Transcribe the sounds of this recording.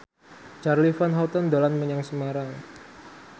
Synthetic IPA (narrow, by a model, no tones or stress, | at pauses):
t͡ʃarlifanɦat̪ənd̪alanməɲaŋsəmaɾaŋ